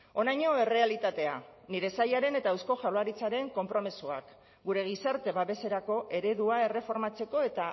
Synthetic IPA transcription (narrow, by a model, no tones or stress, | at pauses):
o̞najɲo̞e̞re̞alit̪at̪e̞aniɾe̞sajaɾe̞ne̞t̪aewsko̞ʝawlaɾit͡saɾe̞ŋko̞mpɾo̞mesua̰k | ɡuɾe̞ɣ̞isaɾt̪e̞βaβe̞se̞ɾako̞ʔe̞ɾe̞ðuae̞re̞fo̞ɾmat͡se̞ko̞e̞t̪a